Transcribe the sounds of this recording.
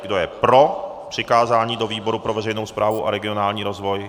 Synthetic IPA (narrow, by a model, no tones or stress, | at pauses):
ɡdo̞jɛpɾo̞pr̝̥ɪkaːzaːɲiːdo̞viːbo̞ɾupɾo̞vɛrɛjnowspɾaːvuʔaɾɛɡɪo̞naːlɲiːɾozvo̞j